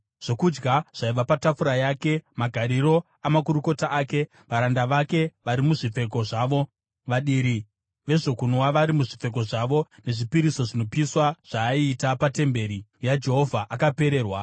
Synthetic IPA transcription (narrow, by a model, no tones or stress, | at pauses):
ʐ̥o̞kud͡ʒɡaʐ̥aiʋapatafuɾajake̞maɡʱaɾiɾo̞ | amakuɾuko̞taʔaːke̞ | ʋaɾandaʋake̞ʋaɾimuʐip͡fe̞k̬o̞ʐaːʋo̞ | ʋaɗiɾi | ʋe̞ʐo̞kunwaʋaɾimuʐip͡fe̞k̬o̞ʐaʋo̞ne̞ʐipiɾiso̞ʐino̞piswaʐ̥aiːtapate̞mbe̞ːɾijad͡ʒe̞ɦo̞vʱaʔakape̞ɾe̞ːrwa